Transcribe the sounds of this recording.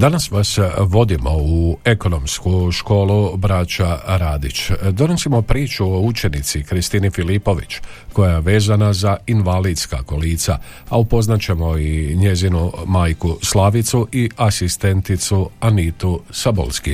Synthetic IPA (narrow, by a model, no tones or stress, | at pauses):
d̪anasʋasʋo̞d̪imo̞ue̞ko̞no̞mskuʃko̞ːlubɾat͡ʃaɾaːd̪it͡ʃd̪o̞no̞simo̞pɾiːt͡ʃuout͡ʃe̞nit̪sikɾist̪inifilipo̞ʋḭt͡ʃko̞jajeʋe̞ːzanazainʋalid̪ska̰ko̞liːt̪sa̰ | aupo̞znat͡ɕe̞mo̞iɲe̞zinumaːjkuslˠaːʋit̪suʔiasist̪e̞nt̪it̪suanit̪usabo̰lski